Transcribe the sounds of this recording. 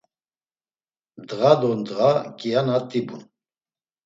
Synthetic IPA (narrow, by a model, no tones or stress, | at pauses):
d̪ɣad̪ɔnd̪ɣakʼijanat̪ʼibun